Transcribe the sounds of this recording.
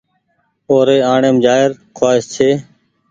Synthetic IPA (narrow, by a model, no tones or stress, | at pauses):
oːɾeːaːɳeːmd͡ʒaːɪɾ | kʰwaːɪst͡ʃʰeː